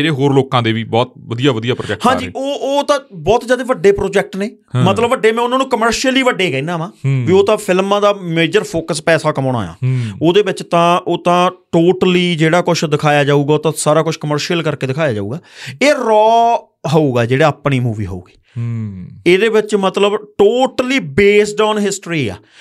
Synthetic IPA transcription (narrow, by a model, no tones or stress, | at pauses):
ɾeːɦoːɾloːkãːd̪eːʋiːbɔːt̪̚ʋəd̪ijaːʋəd̪ijaːpɾo̰d͡ʒɛːkhãːd͡ʒiːʔoːoːt̪ãːbɔːt̪zjaːd̪eːʋəɖːeːpɾoːd͡ʒɛːk̚ʈneː | mət̪ləbʋəɖeːmɛ̃ːʊnãːnũːkəməɾʃiəliːʋəɖːeːkɛːnaːmãːʋiːoːt̪ãːpʰɪlmãːd̪aːmeːd͡ʒəɾpʰoːkəspɛːsaːkəmaːña̰ːja̰ːoːd̪eːʋɪt͡ʃt̪ãːʔoːt̪ãːʈoːʈəliːd͡ʒeːɽaːkʊt͡ʃʰd̪ɪkʰaːjaːd͡ʒaːuːɡaːoːt̪ãːsaːɾaːkʊt͡ʃʰkəməɾʃijəlkəɾkeːd̪ɪkʰaːjaːd͡ʒaːṵːɡaːeːɾɔː | ɦoːuːɡaːd͡ʒeːɽaːaːpɳiːmuːʋiːɦo̰ṵːɡi̥ː | eːd̪eːʋɪt͡ʃmət̪ləbʈoːʈəliːbeːsɖaːnɦɪsʈɾiːa̰ː